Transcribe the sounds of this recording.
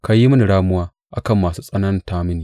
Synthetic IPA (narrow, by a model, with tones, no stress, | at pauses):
ka˨ji˦mɐ˦ni˨ɽaː˦mʊ˦waː˦ | ʔa˨kɐ˦˨mːaː˨suː˦sʼɐ˦nɐ˦n˦taː˦mɪ˦niː˨